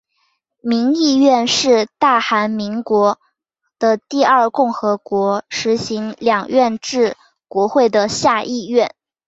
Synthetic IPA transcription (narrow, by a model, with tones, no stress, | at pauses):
mi˧˥ŋi˥˧ɥɛ˥˧nʂɻ̩˥˧t̪a˥˩xa˧˥nmi˧˥ŋkwɔ˧˥ | d̪̥ə˧t̪i˥˧ɐ˞˥˩˧kʊ˥˩ŋxɤ˧˥kwɔ˧˥ʂɻ̩˧˥ɕi˧˥ŋljɑ˨˩ŋɥɛ˥˧nʈ͡ʂɻ̩˥˩ | kwɔ˧˥xwe˥˩ɪd̪ə˩ɕja˥˧ʔi˥˧ɥɛ˥˩n